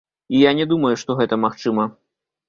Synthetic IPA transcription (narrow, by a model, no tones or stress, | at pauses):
ijanʲɛd̪umɐjuʂt̪ɔɣɛt̪ɐmaxt͡ʂɨmɐ